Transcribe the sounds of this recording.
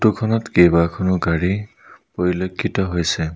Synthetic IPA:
tukʰɔnɔtkebakʰɔnʊɡaɹi | poɹilokʰːitɔɦojsɛ

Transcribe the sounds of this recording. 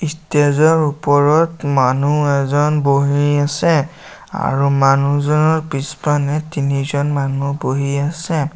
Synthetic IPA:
istezɔɹupɔɹɔtmanuɛzɔnboɦiasɛ | a̰ɹumanuzɔnɔɹpispanɛtinizɔnmanuboɦiasɛ

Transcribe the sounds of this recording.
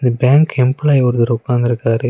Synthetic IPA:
ɪnd̪ɐbjaːŋkɛmplajɔɾɯðɐɾʊkːaːɾnd̪ɪɾɯkːaːɾɯ

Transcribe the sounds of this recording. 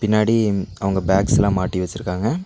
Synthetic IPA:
pɪnːaːɽiɐʋɐŋɡɐbaːksɛlãːmaːʈːiʋɐt͡ʃːɪɾɯkːaːŋɡɐ

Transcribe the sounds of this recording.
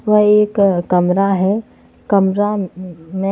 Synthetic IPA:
ʋəɦeːkːəmɾaɦɛ | kɐmɾamẽ

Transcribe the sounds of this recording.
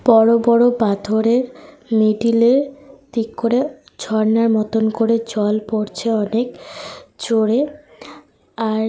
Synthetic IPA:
b̥ɔɾobɔɾobad̪ʱoɾeɾ | meɖileɾt̪ikkːoɾe | d͡ʑʱɔɾnaɾmɔt̪onkoɾed͡ʑɔlpoɾt͡ɕʰeɔnekt͡ɕoɽe | aɾ

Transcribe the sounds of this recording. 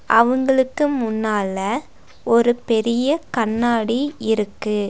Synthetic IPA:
ʔɐʋɐŋɡɐɭɯkːɯmʊnːaːlɐ | ɔɾɯpɛɾɪjɐkɐnːaːɽiɪɾɯkːɯ

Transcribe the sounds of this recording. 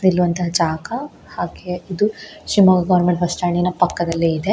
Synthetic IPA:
nilːuʋɐnt̪ɐɦɐd͡ʒaːkɐ | haːɡeid̪uʃɾimɐɡɐɡɐʋɐɾmeɳʈʋɐsʈaːɳinɐpɐkːɐd̪ɐlːiid̪e

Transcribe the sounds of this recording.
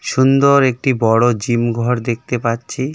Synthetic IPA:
ʃund̪oɾek̚ʈibɔɽod͡ʑimɡʱɔɾd̪ek̚ʰt̪epatːɕʰi

